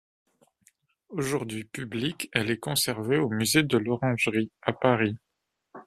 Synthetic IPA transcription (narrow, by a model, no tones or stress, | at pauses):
oʒuʁd̪ɥipyblikɛlɛkɔ̃sɛʁveomyzed̪əlɔʁɑ̃ʒʁiapaʁi